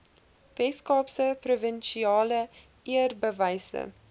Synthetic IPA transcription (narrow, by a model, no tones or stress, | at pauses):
vɛskɑːpsəprovənʃiɑːlə | ʔiərbəvɛjsə̰